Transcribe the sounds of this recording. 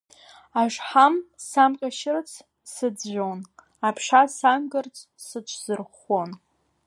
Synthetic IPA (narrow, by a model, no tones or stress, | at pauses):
aʂħamsamqʲʼaʃɪrt͡sʰ | sɨd͡zʒʷon | apʰʂasamɡɨrt͡sʰʼ | sɨt͡ʃʷʰz̥ɨrχon